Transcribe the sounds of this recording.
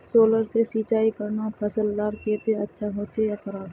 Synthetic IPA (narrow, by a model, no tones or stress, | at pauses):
soːləɾsesiːt͡ʃaːikəɾnapʰəsəlːaːɾkeːt̪eɐtːʃʰaɦoːt͡ʃʰejakəɾaːb